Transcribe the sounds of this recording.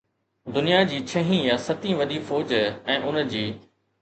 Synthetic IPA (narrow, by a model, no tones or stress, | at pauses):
d̪ʊnijad͡ʑiːt͡ɕʰɐɦĩjasɐt̪ĩʋɐd̪iːfoːd͡ʑɛ̃ːʔʊnd͡ʑiː